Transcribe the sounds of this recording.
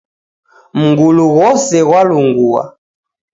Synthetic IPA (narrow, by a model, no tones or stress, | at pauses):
m̩ŋɡuluɣɔsɛɣwaluŋɡuwa̰